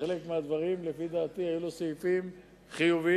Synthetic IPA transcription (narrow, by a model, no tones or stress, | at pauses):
elekmead̪vaʁimlefid̪aːt̪ihajulosaifim | χijuvi